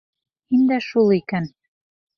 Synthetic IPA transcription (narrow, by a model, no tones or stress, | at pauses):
hind̪æʃulˠikæn